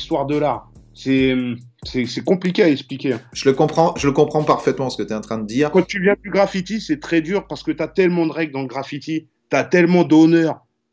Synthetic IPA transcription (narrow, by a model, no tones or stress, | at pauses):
st̪waʁd̪əlaʁ | sɛmsɛsɛkɔ̃plikʲeaɛksplikʲẽʒ̥ələkɔ̃pχɑ̃ʒələkɔ̃pχɑ̃paʁfɛt̪mɑ̃sə̥kət̪yɛɑ̃t̪χɛ̃d̪əd̪iːʁkɑ̃t̪yvjɛ̃d̪yɡʁafit̪isɛt̪χɛd̪yʁpaʁsə̥kət̪yat̪ɛlmɑ̃d̪əʁɛɡld̪ɑ̃ləɡʁafit̪i | t̪yat̪ɛlmɑ̃d̪ɔnœːʁ